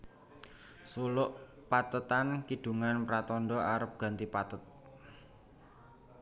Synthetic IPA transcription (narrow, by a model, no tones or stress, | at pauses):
sulʊʔpat̪ət̪ankid̥ṳŋanpɾat̪ɔnɖɔaɾəp̚ɡ̥ä̤nt̪ipat̪ət̪̚